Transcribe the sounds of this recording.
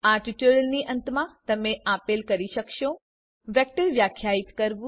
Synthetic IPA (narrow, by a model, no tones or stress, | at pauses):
aʈiʈuɽəlniʔənt̪mãt̪əmeapelkəɾiʃəkʃo | ʋek̚ʈəɾʋjakʰːjait̪kəɾʋũ